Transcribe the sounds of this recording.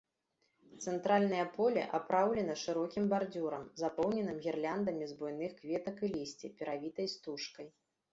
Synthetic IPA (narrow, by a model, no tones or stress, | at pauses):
t̪sɛnt̪ɾalʲnɐjɐpɔlʲɛ̰ʔapɾawlʲɛn̪ɐʂɨɾɔkʲimbard͡zʲuɾɐ̰mzapɔwnʲɛnɨmɣʲirlʲand̪ɐmʲizbɔjn̪ɨxkvʲɛt̪ɐkɨlʲisʲt͡sʲipʲɛɾavʲit̪ɐjst̪uʂkɐj